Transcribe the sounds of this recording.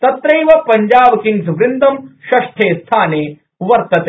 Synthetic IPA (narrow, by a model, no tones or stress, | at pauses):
t̪ɐt̪ɾɐjʋɐpɐɲd͡ʒaːbkiŋsʋɾɪnd̪ʱɐmʃɐʃʈʰeːst̪ʰaːneː | ʋɐɾt̪ɐt̪e